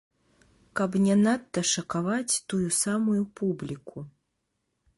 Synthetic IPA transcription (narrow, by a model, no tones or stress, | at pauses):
kɐpnʲɛnat̪ːɐʂɐkavat͡sʲt̪ujusamujupublʲikʰu